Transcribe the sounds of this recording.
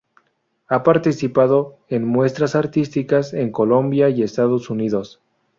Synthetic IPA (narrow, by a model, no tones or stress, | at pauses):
apaɾt̪isipaðo̞enmwe̞st̪ɾasaɾt̪ist̪ikase̞ŋko̞lo̞mbjaie̞st̪aðo̞suniðo̞s